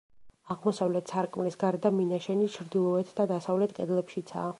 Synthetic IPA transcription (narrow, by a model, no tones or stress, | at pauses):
aʁmɔsavlɛt̪ʰsaɾkʼmlisɡaɾɛd̪aminaʃɛnit͡ʃʰɾd̪ilˠɔɛt̪ʰd̪ad̪asavlɛt̪ʰkʼɛd̪lɛpʃit̪sʰa̰ː